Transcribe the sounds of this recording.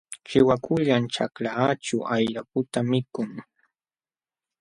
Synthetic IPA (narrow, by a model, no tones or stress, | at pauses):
t͡ʃɪwakʊʎant͡ʃaklat͡ʃʊʔajɾapʊt̪amɪkʊŋ